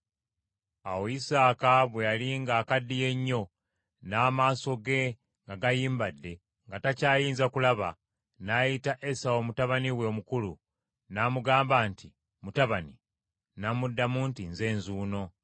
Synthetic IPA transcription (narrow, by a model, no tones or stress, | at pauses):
awoisaːkaβwe̞jaliŋɡaːkadːije̞ɲːo̞ | naːmaːso̞ɡe̞ | ŋɡaɡajiːmbadːe̞ | ŋɡatacaːjiːnzakulaβa̰ | najitaʔesawo̞mutaβaniweomukulu | naːmuɡaːmbaːnti | mutaβani | namudːamuntinze̞ːnzuːno̞